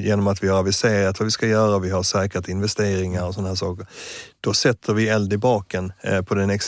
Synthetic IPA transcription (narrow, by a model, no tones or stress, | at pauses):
jeːnɔmat̪vɪjœːɾavɪsɛjəɾat̪vavɪskajœːɾavɪɦasɛːkət̪ɪnvɛst̪eːɾɪŋaɾɔsɔnaɦæːʂɑːkəɾd̪̥ɔsɛt̪ʰːəɾvɪɛld̪ɪbɑːkɛnpʰɔd̪ɛnɛks